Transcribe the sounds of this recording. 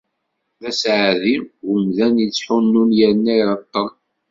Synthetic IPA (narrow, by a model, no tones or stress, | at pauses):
ðæsʕðiwəmðænjit͡sːħʊnːunjæɾnːæɾɑt̪ˤːɑn